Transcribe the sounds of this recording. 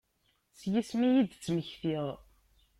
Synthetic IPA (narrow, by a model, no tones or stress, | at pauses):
sjismijid̪t͡sːməçθiðˤ